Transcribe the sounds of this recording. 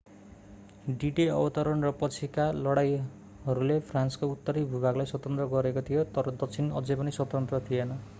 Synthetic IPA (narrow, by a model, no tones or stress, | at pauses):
ɖiʈiʌbʌt̪ʌɾʌnrʌpʌt͡sʰikalʌɽaj | ɦʌɾulepʰranskout̪ːʌɾibʱubʱaɡlajswʌt̪ʌnt̪rʌɡʌɾekot̪ʰijot̪ʌɾʌd̪ʌk̚t͡sʰinʌ̰d͡zepʌniswʌt̪ʌnt̪rʌt̪ʰijenʌ